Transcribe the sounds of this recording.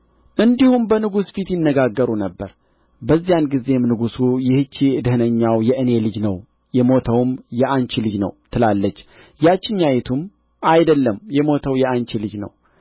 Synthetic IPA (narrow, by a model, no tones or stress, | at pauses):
ʔɨnd̪ihumbənɨɡusfit̪jɪnːəɡaɡːəɾunəbːəɾ | bəzːijanɡize̞mnɨɡusujɪhɨt͡ʃːid̪ɨhɨnəɲːawjɛʔɨne̞lɨd͡ʒnəw | jɛmo̞t̪ʰəwmjɛʔant͡ʃilɨd͡ʒnə̰wt̪ʰɨlalːət͡ʃː | jat͡ʃːɪɲːajɛt̪ʰum | ajd̪əlːəmjɛmo̞t̪ʰəwjɛant͡ʃilɨd͡ʒnə̰w